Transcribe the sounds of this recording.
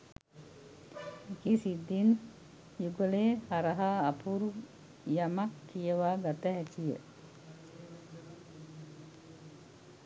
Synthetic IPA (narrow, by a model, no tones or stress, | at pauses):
ekisid̪ːin | juɡəleːhaɾɐɦaːpuɾu | jamakːijəʋaːɡat̪əɦɛtijə̰